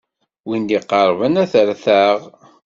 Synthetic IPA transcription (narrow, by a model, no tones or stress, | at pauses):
wind̪iqəɾˤvənæθəɾθæʁ